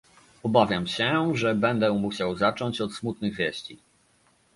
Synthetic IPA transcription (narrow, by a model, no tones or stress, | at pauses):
ɔbavʲjamɕɛʐɛbɛnd̪ɛmuɕawzat͡ʂɔɲt͡ɕɔt̪smut̪nɘɣvʲjɛɕt͡ɕi